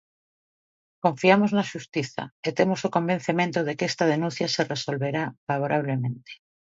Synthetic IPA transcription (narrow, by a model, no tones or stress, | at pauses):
ko̞ɱfiamoznaʃust̪iθa̰et̪emosokõ̞mbe̞n̟θement̪oðekest̪að̞e̞nũnθjasereso̞lβe̞ɾafaβ̞oɾaβ̞lemẽnt̪e̥